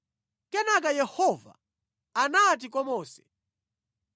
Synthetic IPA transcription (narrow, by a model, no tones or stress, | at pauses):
kɛnak̬ajɛhɔva̰ | anat̬ik̬ɔmɔːsɛ̥